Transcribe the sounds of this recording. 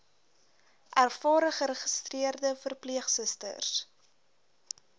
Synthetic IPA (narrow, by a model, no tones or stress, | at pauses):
ʔærfɑːɾəχəɾəχəstriərdəfərpliəχsəstə̰rs